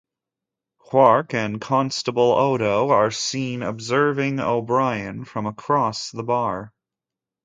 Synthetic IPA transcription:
hʰw̥ɑɹkɨ̃nkʰɑ̃nstəbl̩ˠoʊɾoʊə˞sĩnɨ̰bzɜ˞vɪ̃ŋo̰ʊbɹaɪɨ̃nfɹʌ̃məkʰɹ̥ɔsðəbɑɹ

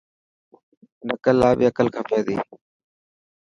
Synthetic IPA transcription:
nəkəlːaːbiːəkəlkʰəpʰjaːd̪ḭː

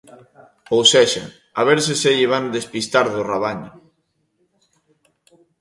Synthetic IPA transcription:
owseʃa̰ | aβ̞eɾs̬eseʎeβ̞and̪espist̪aɾðoraβaɲo

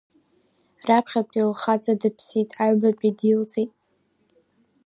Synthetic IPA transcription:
rapʰχʲatʷʼilχat͡sʼadɨpʰsitʼaɥbat͡pʷʼidilt͡sʼitʼ

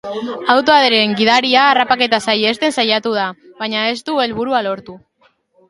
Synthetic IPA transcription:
awt̪oaðeɾe̞ŋɡiðaɾiaːrapake̞t̪asaje̞st̪e̞nsajat̪uð̞aβaɲae̞st̪ue̞lβuɾualo̞ɾt̪u

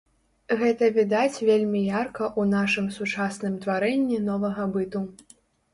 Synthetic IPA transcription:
ɣɛt̪ɐvʲid̪at͡sʲvʲelʲmʲijarkɐʔunaʂɨmsut͡ʂasnɨmt̪vaɾɛnʲːinɔvɐɣɐbɨt̪u

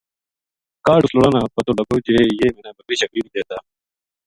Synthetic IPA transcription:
kaːʈusloɽaːnaːpɐt̪oːlɐɡoːt͡ɕejeːmeːnaːbɐkɾiːɕɐkɾiːbid̪eːt̪aː

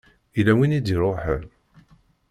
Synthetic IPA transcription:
ilæwinid̪iɾˤoħəl

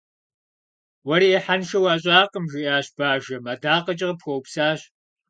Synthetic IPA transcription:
wɐɾiːħanʃɐwaːɕ̬ʼaːqəmʒɪjaːɕb̥aːʒɐmadaːqɐt͡ʃʼɐʁɐpxʷowpsaːɕ

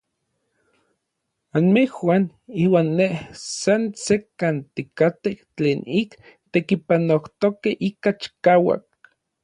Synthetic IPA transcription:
anmehwan | iːwaːnːehsansekant̪ikat̪eht͡ɬeːnik | t̪ekipanoht̪okeʔikat͡ʃi̥kaːwa̰k̚

